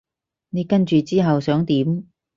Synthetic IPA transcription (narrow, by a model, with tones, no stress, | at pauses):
ne˨˧jkɐ˥nt͡ʃyː˨˧t͡siː˥ɦɐ˨wsœː˨˥ŋt̪iː˨˥m